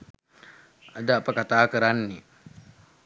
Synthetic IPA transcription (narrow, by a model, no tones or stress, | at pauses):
adapakataːkɨɾanːi